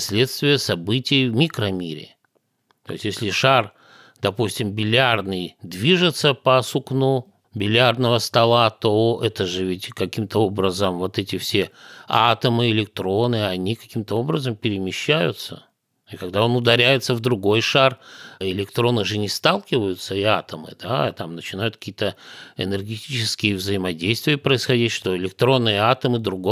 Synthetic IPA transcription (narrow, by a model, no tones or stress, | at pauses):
sʲlʲe̞t̪st̪vʲɪjəsɐbɨtʲɪjvmʲikɾəmʲiɾʲɪ̰ | t̪oɪsʲtʲjesʲlʲɪʂar | d̪ɐpusʲtʲɪmbʲɪlʲarnɨjd̪vʲiʐɨt̪səpəsʊknu | bʲɪlʲarnəvəst̪ɐlˠat̪oɛt̪əʐɨvʲɪtʲkɐkʲimt̪əo̞bɾəzəmvo̞t̪ɛtʲɪfsʲeat̪əmɨɪlʲɪk̚t̪ɾo̞nɨɐnʲikɐkʲimt̪əo̞bɾəzəmpʲɪɾʲɪmʲɪɕːæjʊ̰t̪sə̰ | ikɐɡd̪ao̞nʊd̪ɐɾʲæjɪt̪səvd̪ɾʊɡo̞jʂarɪlʲɪkt̪ɾo̞nɨʐɨnʲɪst̪alˠkʲɪvəjʊt̪səɪa̰t̪əmɨ̰d̪at̪amnət͡ɕɪnajʊt̪kɐ̥kʲit̪əɪ̰nʲɨrɡʲɪtʲit͡ɕɪskʲɪjɪvzəɪmɐdʲejst̪vʲɪjəpɾəɪsxɐdʲitʲʂt̪o̞ɪlʲɪk̚t̪ɾo̞nːɨjəat̪əmɨd̪ɾʊɡo